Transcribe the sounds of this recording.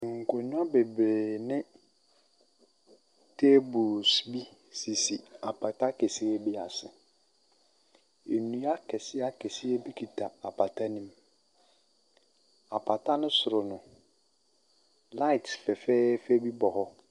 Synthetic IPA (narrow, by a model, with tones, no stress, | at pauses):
ŋ̩˨kʰo˨ɲʊ̃˦a˦be˨bɾeː˨nɪ̃˦ | tʰe˦bu˨sbi˦ | si˨si˨a˨pʰa˨ta˦ke˨si˦e˦bi˦a˨sɪ˨ | e˨nũ˦a˦kʰɛ˨sɪ˦a˦kʰɛ˨sɪ˦e˦bi˦kʰi˨tʰa˨a˨pʰa˨tʰa˦nĩ˦m | a˨pʰa˨ta˦nɪ̃˦sʊ˨ɾʊ˨nʊ̃˨ | la˦ɪ˨tfɛ˨fɛː˦fe˦bi˦bɔ˨hɔ˦